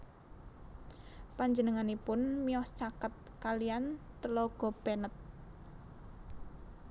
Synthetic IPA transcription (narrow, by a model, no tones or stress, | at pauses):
paɲd͡ʒənəŋanipʊnmiɔst͡ʃakət̪̚kalijant̪əlɔɡ̥ɔ̤b̥ɛnət̪̚